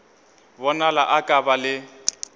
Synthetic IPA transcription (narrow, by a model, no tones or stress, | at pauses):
bɔnalaʔakʼabalɪ